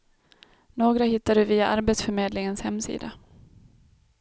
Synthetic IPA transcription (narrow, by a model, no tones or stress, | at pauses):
noːɡɾahɪt̪ːaɖɵviːaʔaɾbeːt̪sfœɾmeːd̪lɪŋənshɛmːsḭːd̪a